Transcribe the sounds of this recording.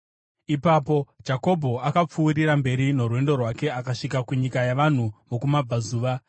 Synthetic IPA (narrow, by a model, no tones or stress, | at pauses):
ipapo̞d͡ʒako̞bʱo̞akap͡fuːriɾambe̞ɾino̞rwe̞ndo̞rwake̞akaʂikakuɲikajaʋan̤uʋokumab͡vazuːʋa